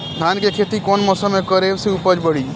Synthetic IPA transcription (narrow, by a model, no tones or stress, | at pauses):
d̪ʱankekʰet̪ikɔnmɔːsəmːekəɾebseupəd͡ʒbəɽi